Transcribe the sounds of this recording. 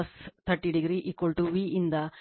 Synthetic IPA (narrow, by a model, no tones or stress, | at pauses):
ɐst̪ʰɐɾʈiɖiɡɾiʔikʋɐlʈuʋiʔind̪ɐ